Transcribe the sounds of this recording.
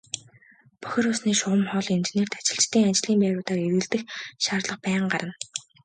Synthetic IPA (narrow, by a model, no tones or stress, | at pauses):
pɔ̥xʲɪ̆ɾʊsniːʃʊʁə̆mχɔɮent͡ɕeneːrt̪ʰḁt͡ɕɪ̆ɬt͡ɕt̪ʰːiːŋat͡ɕɪɮiːmpæːɾʊːt̪aːreɾɣɘ̆ɮt̪ɘ̆xʃaːrɮə̆qpæːɴɢaɾʔə̆n